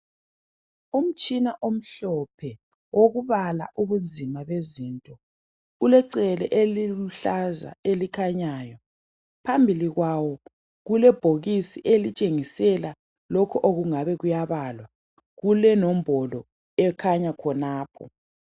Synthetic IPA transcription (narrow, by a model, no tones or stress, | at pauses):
um̩t͡ʃʼinaʔom̩ɬɔpʰɛ | woɣuβala̰ʔuβund͡zʱimaβezintʼɔ | ulɛǀɛlɛʔeliuɬaza̰elikʰaɲaːjɔ | pʰambʱiliɣwawɔ | ɣulɛb̥ʱoɣisiʔelit͡ʃʼeŋisɛla | lokʰɔʔoɣuŋaβɛɣujaβalwa | ɣulɛnɔm̩bʱɔlɔ | ɛkʰaɲakʰɔnaːpʰɔ̰